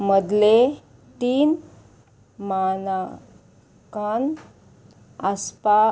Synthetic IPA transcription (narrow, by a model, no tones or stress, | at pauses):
məd̪le | t̪iːn | mana | kan | aspa